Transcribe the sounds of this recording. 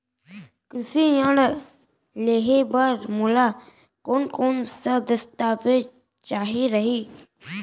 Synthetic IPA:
kɾɪsiəɽ | leːɦebəɾmula | koːnkoːnsəd̪əst̪aːʋe | t͡ʃaːɦiɾɐɦiː

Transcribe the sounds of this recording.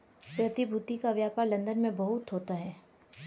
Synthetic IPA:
pɾɐt̪ibʱuːt̪ikaʋjaːpaːɾlɐ̃nd̪ənmẽbɐɦʊt̪ɦoːt̪aɦɛː

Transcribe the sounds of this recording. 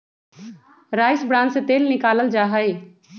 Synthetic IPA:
ɾaːɪsbɾãːnd͡ʒset̪eːlnɪkaːləld͡ʒaːɦəi

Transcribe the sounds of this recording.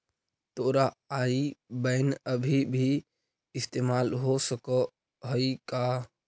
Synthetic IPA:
t̪oːɾaaibəɪnəbʱibʱi | ɪst̪emalɦosəkə | ɦəika

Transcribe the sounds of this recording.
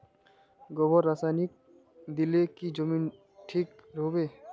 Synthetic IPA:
ɡɔbɔɾːasanik̚ | d̪ilekid͡ʒɔmin | ʈʰikɾobe

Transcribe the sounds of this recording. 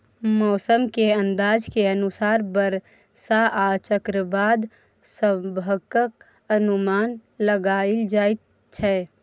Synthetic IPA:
mɔːsəmkeə̃nd̪aːd͡ʒkeənusaːɾbəɾ | saʔat͡ʃəkɾəbaːd̪ | sə̃bʱəkək | ənumaːnləɡaːɪld͡ʒaːɪt̪̚ | t͡ʃʰɛ

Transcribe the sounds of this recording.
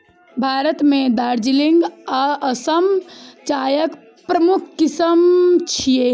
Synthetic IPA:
bʱaːɾət̪mẽd̪aːɾd͡ʒiliŋɡaəsəmt͡ʃaːjək | pɾəmukʰkːisəmt͡ʃʰije

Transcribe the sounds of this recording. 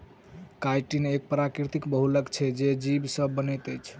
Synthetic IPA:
kajʈinek̚pɾakɾit̪ikbəɦuləkt͡ʃʰɛd͡ʒed͡ʒibsəbːənəjt̪əjt͡ʃʰ

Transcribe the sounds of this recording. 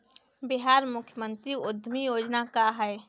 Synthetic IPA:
bɪɦaːɾmʊkʰjəmə̃nt̪ɾiʊd̪ʱːmijoːd͡ʒnakaɦɛe

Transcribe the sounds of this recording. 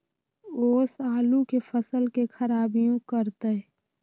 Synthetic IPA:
oːsaːlũkefəsəlkexɐɾaːbijõkəɾt̪e

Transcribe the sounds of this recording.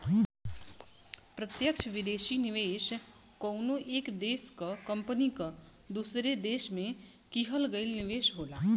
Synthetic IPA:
pɾət̪jəkʃʰʋɪd̪eːʃinɪʋeːʃ | kɔwnoʔeːkd̪eːskɐkəmpənikɐ | d̪usɾed̪eːʃmẽ | kiɦəlɡəilnɪʋeːʃɦoːlaː

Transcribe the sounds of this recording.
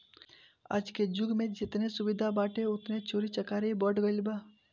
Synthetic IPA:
a̰ːd͡ʒked͡ʒʊɡmẽd͡ʒɪt̪nesʊbɪd̪ʱabaːʈeʊt̪net͡ʃoːɾit͡ʃɐkaːɾebɔːʈɡəlbaː

